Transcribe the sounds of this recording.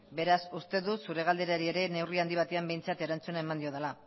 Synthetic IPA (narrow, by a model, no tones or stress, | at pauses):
be̞ɾasust̪e̞ðusuɾe̞ɣ̞ald̪e̞ɾaɾie̞ɾe̞ne̞wriand̪iβ̞at̪e̞ambe̞jnt͡sat̪eɾant͡sunae̞mand̪io̞ð̞ela